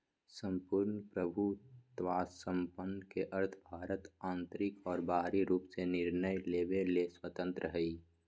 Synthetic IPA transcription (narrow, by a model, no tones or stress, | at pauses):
sə̃mpuɾnpɾəbʱut̪ʋaːsːə̃mpənːkeʔəɾt̪ʰbʱaːɾət̪ãːnt̪ɾɪkɔːɾbaːɦɾiɾuːpsenɪɾnəjleːbeleswət̪ə̃nt̪ɾəɦəi